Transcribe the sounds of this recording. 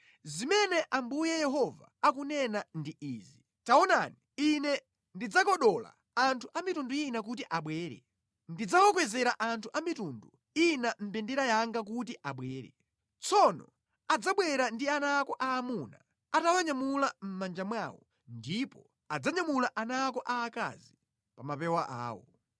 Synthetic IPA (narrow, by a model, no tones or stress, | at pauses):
zimɛnɛʔambujɛjɛɦɔva̰ːkunɛnandiʔiːzi | taɔnaniinɛ | ndid͡zakɔɗɔla̰ | antʰuʔamitunduinakutiʔaɓwɛːɾɛ̰ | ndid͡zakɔkwɛzɛɾaʔantʰuʔamitundu | inam̩pɛndɛɾajaŋɡak̬ut̬iʔaɓwɛːɾɛ̰ | t͡sʰɔnɔ | ad͡zaɓwɛɾandianaːkɔʔaːmuna | atawaɲamulam̩mand͡ʒamwaːwɔ | ndipɔ | ad͡zaɲamulaʔanaːkɔʔaːka̰zi | pamapɛwaʔa̰ːwɔ̰